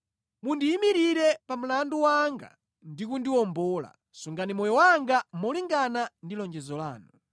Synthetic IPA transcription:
mundiːmiɾiɾɛpam̩landuwaŋɡa̰ | ndikundiwɔmbɔːla̰ | suŋɡanimɔjɔwaŋɡamɔliŋɡanandilɔnd͡ʒɛzɔla̰ːnu

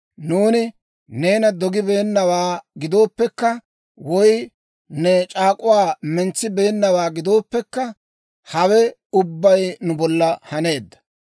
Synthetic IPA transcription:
nuːnɪ | ne̞ːnɐd̪ɔɡɪbe̞ːnːɐwaːɡɪd̪o̞ːpːɛkːɐ | wɔj | nɛt͡ʃʼaːkʼʊwaːmɛnt͡sːɪbe̞ːnːɐwaːɡɪd̪o̞ːpːɛkːɐ | hɐwɛʊbːɐjnʊbɔlːɐhɐne̞ːd̪ːɐ̥

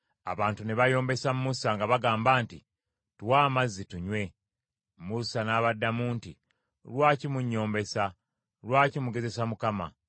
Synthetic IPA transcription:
a̰βaːntuneβajo̞ːmbe̞sammusaŋɡaβaɡaːmbaːnti | tuwaːmazːituɲwe̞ | musanaːβadːamuːnti | lwaːcimuɲːo̞ːmbe̞sa | lwaːcimuɡe̞ze̞samukama̰

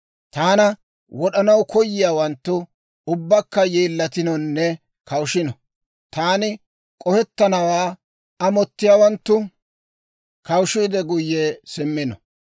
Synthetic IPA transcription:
t̪aːnɐ | wɔɗɐnɐwkɔjːɪjaːwɐnt̪ːʊ | ʊbːɐkːɐjeːlːɐt̪ɪnɔnːɛ | kɐwʃɪnɔ | t̪aːnɪ | kʼɔhɛt̪ːɐnɐwaː | ɐmɔt̪ːɪjaːwɐnt̪ːʊ | kɐwʃiːd̪ɛɡʊjːeːsɪmːɪnɔ

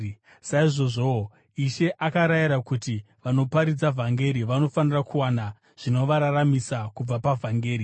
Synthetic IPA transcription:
saiʐo̞ʐo̞ | iʃe̞ʔakaɾajiɾakuti | ʋano̞paɾid͡zavʱaŋɡe̞ɾiʋano̞fanirakuwana | ʐ̥ino̞ʋaɾaramisakub͡vapavʱaŋɡe̞ːɾi

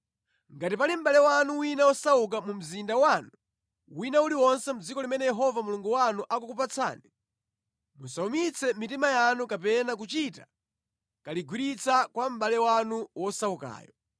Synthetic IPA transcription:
ŋɡatipalim̩ɓalɛwanuwinawɔsauk̬amum̩zindawanu | winauliwɔnsɛmud͡zikɔlimɛnɛjɛɦɔvamuluŋɡuwanuʔakukupat͡sʰa̰ːni | musaumit͡sʰɛmitimajanukapɛnak̬ut͡ʃita | kaliɡwiɾit͡sʰakwam̩ɓalɛwanuwɔsauka̰ːjɔ

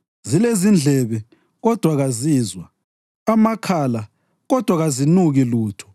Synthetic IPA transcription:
zilezind͡ɮʱɛβɛ | ɣɔd̥ʱwaɣazizwa | amakʰala | ɣɔd̥ʱwaɣazinuɣiluːtʰɔ̥

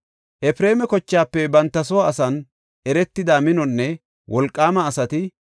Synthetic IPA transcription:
ʔɛfɾe̞ːmɛkɔt͡ʃːaːpːɛbɐnt̪ːɐsɔwaːsɐn | ʔɛɾɛt̪ːɪd̪aːmɪnɔnːɛ | wɔlkʼːaːmɐːsɐt̪ɪ

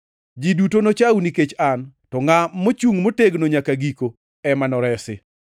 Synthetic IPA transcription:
d͡ʒidutonot͡ʃawniket͡ʃantɔŋamot͡ʃuŋmoteɡnoɲakaɡiko | ɛmanɔɾɛsɪ

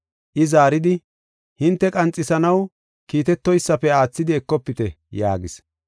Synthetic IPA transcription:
ʔɪzaːɾɪd̪ɪ | hɪnt̪ːɛkʼɐnt͡sʼːɪsɐnɐw | kiːt̪ɛt̪ːɔjsːɐpɛaːt͡sːɪd̪ɪɛkːɔpːɪt̪ɛ | ja̰ːɡɪs

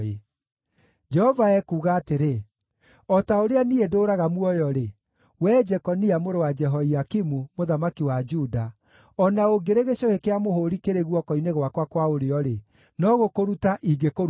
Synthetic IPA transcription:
e | d͡ʒɛhɔvaɛkuːɣaːteɾe | ɔtaoɾeaniedoːɾaɣamwɔjɔɾe | wɛːd͡ʒɛkɔniamoɾowad͡ʒɛɦɔiakimumoðamakiwad͡ʒuda | ɔnaoɡeɾeɣeɕohekeamohoɾikeɾeɣwɔkɔineɣwakwakwaoɾeɔɾe | nɔɣokoɾutaʔiɡeko

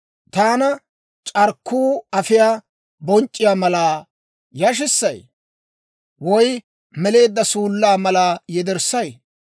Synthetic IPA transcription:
t̪aːnɐ | t͡ʃʼɐɾkʰːuːɐfɪjaː | bɔnt͡ʃʼːɪjaːmɐlaː | jɐʃ̬ɪsːɐj | wɔj | mɛle̞ːd̪ːɐsuːlːaːmɐlaːjɛd̪ɛɾsːɐj

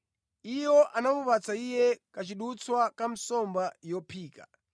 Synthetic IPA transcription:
ijɔʔanamupat͡saijɛkat͡ʃiɗut͡swakam̩sɔmbajɔpʰiːka̰

